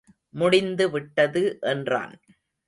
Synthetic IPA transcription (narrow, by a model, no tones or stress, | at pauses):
mʊɽɪnd̪ɯʋɪʈːɐðɯʔɛndra̰ːn